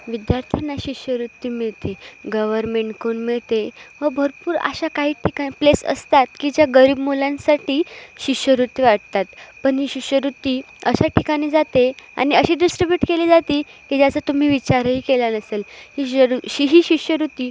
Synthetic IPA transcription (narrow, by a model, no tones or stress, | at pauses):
ʋid̪jaɾt̪ʰjanaɕiɕjəɾut̪ːiːmiɭt̪eɡəʋəɾmeɳʈkoɳmiɭt̪eʋəbʱəɾpuːɾa̰ɕakaɦiːʈʰikaiplesə̰st̪at̪kid͡ʑjaɡəɾiːbmulãnsaʈʰiːɕiʂjəɾut̪ːiʋaɽt̪at̪pəɳɦiːɕiɕjəɾut̪ːiː | əɕaʈikaɽ̃iːd͡zat̪ea̰ɽ̃iəɕiːɖisʈɾibjuːʈkeliːd͡zat̪iː | kid͡ʑjat͡sət̪um̤iːʋit͡ɕaɾɦiːkeljanəselhiɾuiɦiːɕikɕjəɾut̪iː